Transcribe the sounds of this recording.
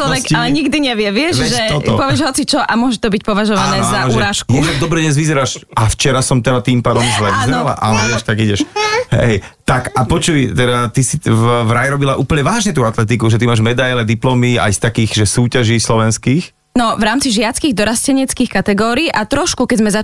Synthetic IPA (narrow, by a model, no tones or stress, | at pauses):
t͡ʃlɔʋɛkalɛɲiɡd̪iɲɛʋɪɛʋɪɛʃʒɛɔt̪ɔpɔʋɪɛʒɦɔt͡sit͡ʃɔʔamʊɔʒɛt̪ɔbic̚pɔʋaʒɔʋanɛːzaʒɾaːʃkjɛd̪aɡ̚d̪ɔbɾɛɲɛzʋizɛɾaːʃaft͡ʃɛɾasɔmt̪ɛd̪at̪iːmpaːd̪ɔmuʒlɛizala̰ʔalɛɛʃt̪aɡiɟɛʃɦɛ̰jt̪akapɔt͡ʃujt̪ɛd̪at̪isivʋɾajɛɾɔbilaʔuːpl̩ɲɛʋaːʒɲɛt̪uːat̪lɛt̪̬ikuʒɛt̪imaːʒmɛd̪ajlɛd̪iplɔmia̰jst̪akiːxʒɛsuːcaʒiːslɔʋɛnskiːx | nɔʋɾaːmt͡siʒɪat͡skiːɣd̪ɔɾascɛɲɛt͡skiːxkat̪ɛɡɔːɾiːʔat̪ɾɔʃkukɛzmɛza